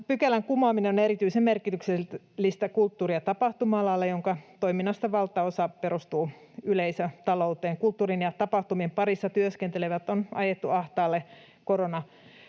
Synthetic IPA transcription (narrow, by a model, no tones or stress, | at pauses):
pykælæŋkumɑːmineoneɾit̪yisemmerkit̪ykse | lːist̪ækult̪ːuːriɑt̪ɑpɑht̪umɑɑlɑɑlːɑjoŋkɑt̪oiminːɑst̪ɑʋɑlt̪ːˑɑosɑperust̪uː | yleisøt̪ɑlout̪eːŋkult̪ːuːrinjɑt̪ɑpɑht̪umiempɑrisːɑt̪yøskent̪eleʋæt̪ːonɑjet̪ːuɑht̪ɑːlːe | koronɑ